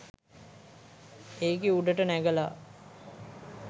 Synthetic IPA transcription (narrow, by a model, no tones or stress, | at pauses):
eːkeuɖəʈənæɡəla̰